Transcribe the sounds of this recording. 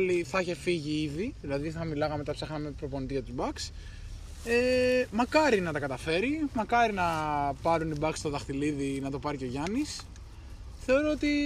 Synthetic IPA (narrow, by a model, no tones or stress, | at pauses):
liθɐiçe̞fiʝiiðiðilɐðiθθɐmilɐɣɐme̞t̪ɐpsɐxnɐmepɾo̞ponit̪icɐt̪uzbɐks | emɐkɐɾinɐt̪ɐkɐt̪ɐfe̞ɾimɐkɐɾinɐpɐɾunibɐkst̪o̞ðɐxt̪iliðinɐt̪o̞pɐɾico̞ʝɐnis | θeo̞ɾo̞ot̪i